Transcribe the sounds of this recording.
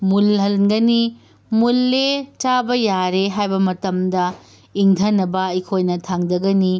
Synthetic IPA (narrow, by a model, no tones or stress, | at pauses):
mulɦɐlɡɐni | mulːet͡ʃabɐjaɾeɦajbɐmɐtɐmdɐ | iŋtʰɐnːɐbɐikʰojnɐtʰaŋdɐɡɐni